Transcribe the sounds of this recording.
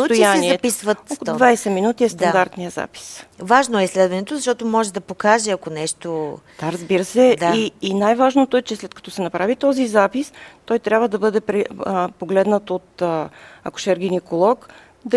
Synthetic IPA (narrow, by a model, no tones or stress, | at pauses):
t̪jjanɛiɛɐpisvət̪okod̪vajsɛminut̪iɛst̪ɐnd̪aɾt̪nijəza̰pi̥svaʒnoɛislɛd̪vɐnɛt̪ozɐʃt̪ɔt̪omɔʒɛd̪ɐpokaʒɛɐkonɛʃt̪od̪aɾɐzbiɾəsɛd̪iːnajvaʒnot̪oɛt͡ʃɛslɛt̪kɐ̥t̪ɔsɛnɐpɾavit̪ɔzizapist̪ɔjt̪ɾʲabvəd̪ɐbɤd̪ɛpɾɛpoɡlɛd̪nət̪ot̪ | ɐ̰kʊ̥ʃɛɾɡinikolˠɔk | d̪ɐ